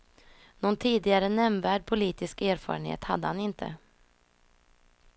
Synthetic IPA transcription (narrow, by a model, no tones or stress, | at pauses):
nɔnt̪ʰiːd̪ɪɡaɾənɛmvæːɖ̚pʰʊliːt̪ɪskæːɾfɑ̰ːɾənhḛːt̪had̪ːəhanɪnt̪ʰə̰